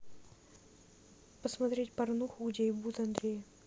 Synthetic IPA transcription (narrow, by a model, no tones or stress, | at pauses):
pəsmɐt̪ɾʲetʲpɐrnuxʊɡdʲeɪbut̪ɐnd̪ɾʲej